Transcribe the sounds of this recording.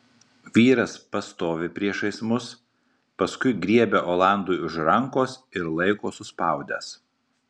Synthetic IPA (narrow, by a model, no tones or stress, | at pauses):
ʋʲiːɾɐspɐst̪oːʋʲɪpʲɾʲiɛʃɐɪsmʊs | pɐskʊɪɡɾʲiɛbʲeʔoːlˠɑˑnd̪uːʊʃɾɐŋˑkoːsɪɾlˠɐɪkoːsʊspɑˑʊd̪ʲɛ̰s